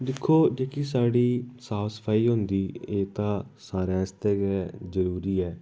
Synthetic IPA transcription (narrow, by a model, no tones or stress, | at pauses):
d̪ɪkʰːoːd͡ʒeːkis̬aːɽiːsaːwsə̥pʰaːiːɦʊ̃nd̪iːeːt̪ãːsaːɾãːɪst̪ɛːɡɛːzəɾuːɾiːɛː